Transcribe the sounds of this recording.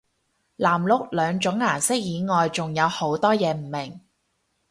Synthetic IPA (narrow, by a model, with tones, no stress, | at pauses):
laː˨˩mlʊ˨k̚lœː˨˧ŋt͡sʊ˨˥ŋːaː˨˩nsɪ˥k̚jiː˨˧ŋɔː˨jt͡sʊ˨ŋjɐ˨˧who˨˥wt̪ɔː˥jɛː˨˧m̩˨˩mɪ˨˩ŋ